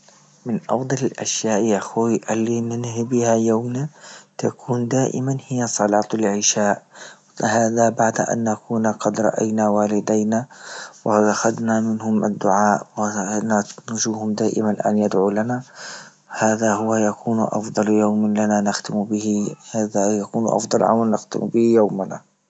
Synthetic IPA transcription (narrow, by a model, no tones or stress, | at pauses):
mɪnʔɑ̰fd̪ˤɑlɪlʔaʃjaːʔjaxiʔalːinɪnhbɪhajawmnat̪akʰuːnd̪aːʔɪ̰manhɪjːasˤɑlɑːt̪ˤɪlʕɪʃaːʔ | haːðabaʕd̪ʔa̰nːakuːnaqɑd̪ɾˤɑ̰ʔa̰jnawaːlɪd̪ajnawɪʔaxad̪namɪnhʊmʔa̰d̪ːʊʕaːʔwɪnanʊʒuːhʊmd̪aːʔɪ̰manʔa̰njad̪ʕulana | haːðahʊwajakuːnʔɑ̰fd̪ˤɑljawmlananaxt̪ɪmbɪhhaːðajakuːnʔɑ̰fd̪ˤɑlʕa̰wanːɪxt̪ɪ̰mbɪhjawmana̰